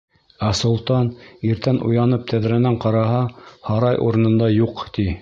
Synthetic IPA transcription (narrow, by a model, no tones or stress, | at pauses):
æsŭlˠt̪ɑniɾt̪ænʔṵjɑnɤp̚t̪ʰæðɾænæɴqɑɾɑɦɑhɑɾɑjʔṵɾɤ̆nɤ̆nd̪ɑjuqt̪i